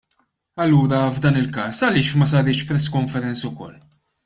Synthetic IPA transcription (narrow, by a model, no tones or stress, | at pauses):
ɐlːuːɾɐvd̪ɐːnɪlkɐːsɐlɪːʃmɐs̬ɐɾɪːt͡ʃpɾɛsːkɔɱfɛɾɛnt͡sʊkɔ̰lː